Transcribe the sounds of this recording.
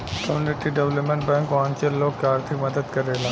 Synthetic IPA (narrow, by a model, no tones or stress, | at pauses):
kɐmjunɪʈiɖeʋləpmẽɳʈbɛ̃ːŋkoãːŋt͡ʃelloːɡ̚keaːɾt̪ʰɪkmɐd̪əd̪kɐɾeːlãː